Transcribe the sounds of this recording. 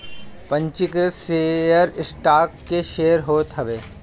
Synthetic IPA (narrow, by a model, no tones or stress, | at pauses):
pɐ̃ɲt͡ʃɪkseːjəɾɪsʈaːkːeʃeːjəɾɦoːt̪ɦɐʋeː